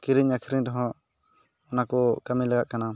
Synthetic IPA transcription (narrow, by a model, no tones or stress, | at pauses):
kiɾiɲakʰiɾiɲd̪ɔɦɔ̃ | ɔnakɔkamilaɡaʔ̪̚kana